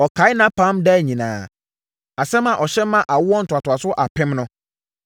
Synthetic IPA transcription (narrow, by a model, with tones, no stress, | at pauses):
ɔ˨kʰa˨˦ɪ˦nã˦pʰã˦mda˦˨ɲĩ˨nã̰ː˨ | a˨sɛ̃˦mã˨ʔɔ˨ɕɛ˦ã˦ʔa˨wʊ˦ɔ˦n̩˨tʰʊ˨a˨tʰʊ˨a˨sʊ˦ʔa˨pʰɪ̃˦mnʊ̃˦